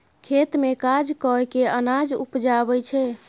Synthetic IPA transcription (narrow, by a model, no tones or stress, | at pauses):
kʰet̪mekad͡ʒkəɦkeənad͡ʒṵpd͡ʒabɛt͡ʃʰɛ